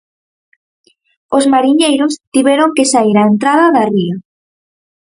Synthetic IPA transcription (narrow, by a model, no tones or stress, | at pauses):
ozmaɾiɲejɾost̪iβɛɾoŋkesaiɾaent̪ɾaðɐðɐria